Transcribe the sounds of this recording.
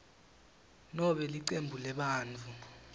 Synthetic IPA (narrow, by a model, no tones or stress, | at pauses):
nɔɓɛliǀembʱulɛɓaːnt͡fu